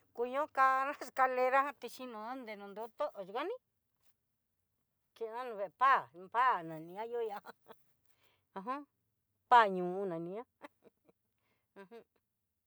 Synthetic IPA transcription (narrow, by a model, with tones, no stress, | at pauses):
ku˧ɲõ˦ka˧nã˦ska˧le˧ɾa˦hã˦t̪i˧ʃi˦nõ˧a˦nd̪e˨nũ˧nd̪o˦t̪o˦ʔʒi˧ka˦nĩ˦ | t͡ʃi˧nã˦nũ˧βe˧˨˧pa˦˨˧pa˦˨nã˨nĩ˧ã˦jo˦ja˧a˦ | ã˧ɦõ˦ | pa˦˨ɲũ˨u˦nã˨nĩ˧˦ã˦ | ã˧ɦũ˦